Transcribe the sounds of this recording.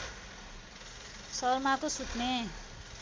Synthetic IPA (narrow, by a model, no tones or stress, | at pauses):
sʌrmakosut̪ne